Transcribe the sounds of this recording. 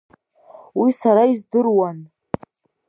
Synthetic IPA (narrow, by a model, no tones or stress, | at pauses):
wisaɾaizdɨrwan